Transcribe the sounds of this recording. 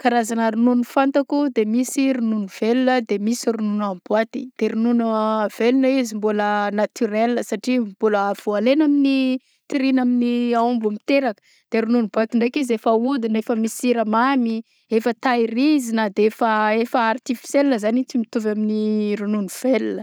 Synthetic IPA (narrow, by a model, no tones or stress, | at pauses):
kaɾazanəɾununifant̪akud̪emisiɾununiv̥elunəd̪emisiɾununambwat̪i̥d̪̥eɾununəv̥elunəizimbulənat̪yɾelːəsaʈ͡ʂimbuləːv̥ualenamini | t̪iɾinaminiaumbumit̪eɾakə̥ | d̪̥eɾununibat̪iɳɖ͡ʐekizefaud̪inefəmisiɾəmami | efət̪aiɾizinad̪eefəefəːrt̪ifi̥selnəzanit͡simit̪uvaminiɾununiv̥elunə